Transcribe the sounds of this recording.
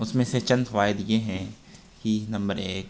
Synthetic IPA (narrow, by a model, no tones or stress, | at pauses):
ʊsmẽset͡ʃɐ̃nt̪ʋaːɦɪd̪jeɦɛ̃ | kinɐ̃mbəɾeːk